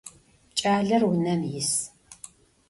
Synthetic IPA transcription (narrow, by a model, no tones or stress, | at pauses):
t͡ʃʼaːɮɐrwʊnɐmjɪs